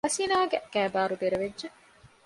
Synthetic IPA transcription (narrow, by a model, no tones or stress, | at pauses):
ɐsiːnaːɡeɡæːbaːɾud̪eɾeʋedːʒe